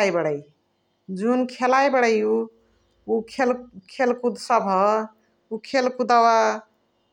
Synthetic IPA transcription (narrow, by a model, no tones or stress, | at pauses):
ajbəɽəj | d͡ʒunkʰelajbəɽəju | ukʰelkʰelkud̪səbʱɦə | ukʰelkud̪awa